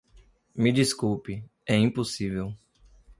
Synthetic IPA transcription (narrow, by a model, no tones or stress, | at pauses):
mid͡ʒiskuwpi | ɛĩposivew